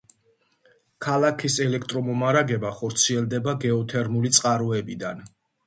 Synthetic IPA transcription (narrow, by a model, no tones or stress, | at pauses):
kʰalakʰisɛlɛkʰt̪ʼɾɔmɔmaɾaɡɛbaχɔɾt̪sʰiɛlˠd̪ɛbaɡɛɔt̪ʰɛɾmulit̪sʼqʼaɾɔɛbid̪a̰n